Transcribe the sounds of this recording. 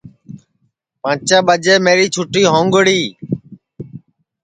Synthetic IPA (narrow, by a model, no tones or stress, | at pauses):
pãːt͡ʃaːɓəd͡ʒeːmeːɾiːt͡ʃʰʊʈiːɦõːŋɡʊɽiː